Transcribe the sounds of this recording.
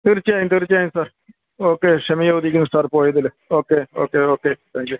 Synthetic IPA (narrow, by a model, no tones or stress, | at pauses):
t̪ɪɾt͡ʃaːĩnt̪ɪɾt͡ʃaːĩsəɾ | oːkeːʃəmiːoud̪iːɡɪnsəɾpoːiːd̪ɪl | oːkeːoːkeːoːkeːt̪ʰɛ̃ːŋkjuː